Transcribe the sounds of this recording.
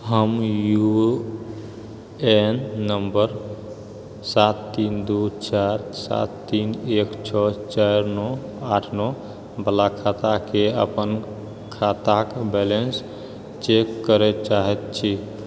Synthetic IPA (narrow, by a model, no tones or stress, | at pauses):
ɦəmju | enːəmbəɾ | sat̪ːind̪ut͡ʃaɾsa̰t̪ːinekt͡ʃʰɔt͡ʃaɾnɔ | aʈʰnɔ | bəlakʰat̪akeə̰pən | kʰat̪akbɛlens | t͡ʃekːəɾɛt͡ʃaɦɛt̪̚t͡ʃʰi